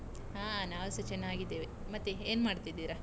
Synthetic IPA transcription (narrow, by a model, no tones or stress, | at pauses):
ɦaːnaːʋɐsɐt͡ʃɛnːaːɡid̪ːeːʋi | mɐt̪ːeeːnmaːɖt̪id̪iːɾa